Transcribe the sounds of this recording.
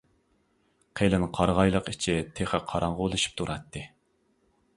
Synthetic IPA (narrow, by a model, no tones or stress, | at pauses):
qʰelɪnqʰɑɾʁɑjlˠəqɪt͡ʃʰit̪ʰeχəqʰɑɾɑɴʁəolˠɨʃi̥p̚t̪ʰuɾʔɑt̪ʰːɨ